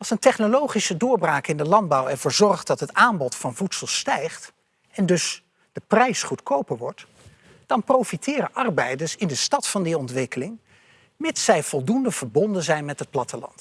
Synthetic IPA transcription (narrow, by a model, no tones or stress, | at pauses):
ɑlˠsəntɛχnolowχisədʊːɹbraːkɪndəlɑnd̚bɑwɛɹvʊːɹzɔrχtdɑtɦətaːmbɔtfɑnvutsəlˠstɛjχt | ɛndɵs | d̥əprɛjsχutkowpəɹʋɔɹt | d̥ɑnprowfitʰɪːrəʔɑrbɛjdəɹsɪndəstɑtfɑndiɔntʋɪkəlɪŋ | mɪtsɛjv̥ɔlˠdundəv̥əɹbɔndənzɛjnmɛtɦət̚plɑtəlɑ̰nt